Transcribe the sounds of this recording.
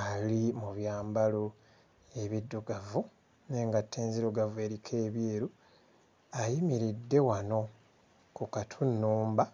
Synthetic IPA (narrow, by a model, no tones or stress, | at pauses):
alimuβjaːmbalo | e̞βidːuɡavu | neːŋɡatʰːeːnziɾoɡavweːɾikʰe̞ːβjeːɾu | ajimiɾidːe̞wano̞ | kukatʰunːuːmba